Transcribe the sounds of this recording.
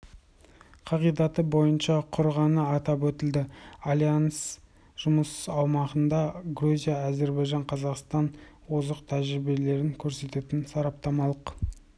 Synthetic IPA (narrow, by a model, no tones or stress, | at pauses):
qʰɑʁijd̪ɑt̪əbo̞jənʃɑqʰʊɾʁɑnəɑt̪ɑpwɵt̪ɪld̪ɪalʲjans | ʒ̥ʊməsɑwmɑʁənd̪ɑɡruzʲijaːze̞ɾbɑjʒɑɴqʰɑzɑqst̪ɑn | wo̞zəqt̪ʰæʒɾɪbe̞le̞ɾɪŋkʲʰɵɾse̞t̪e̞t̪ɪnsɑɾɑp̚t̪ɑmɑlˠəq